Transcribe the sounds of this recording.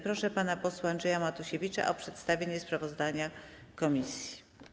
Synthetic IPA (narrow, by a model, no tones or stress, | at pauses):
pɾɔʂɛpanapɔswaːndʐɛjamat̪uɕevʲit͡ʂa̰ʔɔpʂɛt̪st̪avʲjeɲɛspɾavɔzd̪aɲa | kɔmʲisʲji̥